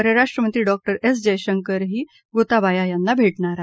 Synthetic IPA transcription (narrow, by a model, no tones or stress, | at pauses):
əɾəɾaʂʈɾəmənt̪ɾiːɖɔk̚ʈəɾes̬d͡ʑəjɕəŋkəɾɦiː | ɡot̪abajajanːabʱeʈɳaɾa